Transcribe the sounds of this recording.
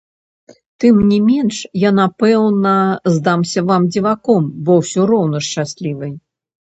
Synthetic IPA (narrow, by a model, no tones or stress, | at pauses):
t̪ɨmnʲimʲɛnʂjanapɛwnɐzd̪amsʲɐvamd͡zʲivakɔmbɔwsʲɔɾɔwnɐʂt͡ʂasʲlʲivɨj